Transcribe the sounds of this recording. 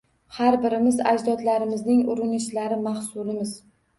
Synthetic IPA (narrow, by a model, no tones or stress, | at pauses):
haɾbɪɾɪmɪza̰d͡ʒd̪ɒd̪laɾɪmɪznɪŋʊɾɪnɪʃlaɾɪmahsʊlɪmɪz̥